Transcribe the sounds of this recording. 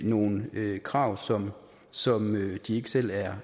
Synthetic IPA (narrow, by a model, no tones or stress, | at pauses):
no̝ːn̩økʰʁɑ̈ʊ̰sɒ̽m | sɒ̽mød̥ie̝ɡ̥əsel̰æɐ